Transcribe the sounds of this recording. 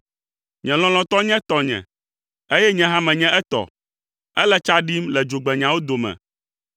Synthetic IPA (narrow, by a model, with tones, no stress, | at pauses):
ɲɛ̃˨lɔ̃˨lɔ̃˨t̪ɔ˦ɲɛ̃˦t̪ɔ˨ɲɛ̰̃˨ | e˦jɛ˦ɲɛ̃˦ɦã˦mɛ̃˨ɲɛ̃˦ʔɛ˦t̪ɔ̰˨ | ɛ˦lɛ˦t͡ʃa˦ɖi˦mlɛ˨d͡ʒo˨ɡ͡bɛ˨ɲã˨wo˦d̪o˨mɛ̰̃˨